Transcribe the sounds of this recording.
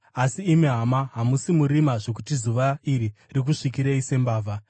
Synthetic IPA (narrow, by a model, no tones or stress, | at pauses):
asiːmeɦamaɦamusimuɾimaʐo̞k̬utizuʋaiɾirik̬uʂikiɾeise̞mbaːvʱa